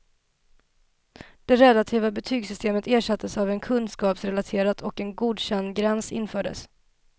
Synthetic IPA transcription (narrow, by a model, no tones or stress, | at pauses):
d̪̥ɛɾɛlat̪ʰiːvabɛt̪ʰyːɡsʏst̪ʰeːmət̪eːʂat̪ːəsavɛnkʰɵnskɑːpsɾɛlat̪ʰeːɾat̪ʰɔkɛnɡuːd̪ɕɛnd̪ɡɾɛnsɪ̰nːfœːɖə̰s